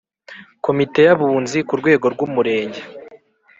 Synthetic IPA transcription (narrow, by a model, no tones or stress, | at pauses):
ko̞mite̞jaβuːnzikuɾɡwe̞ːɡo̞ɾɡumuɾe̞ːɲɟe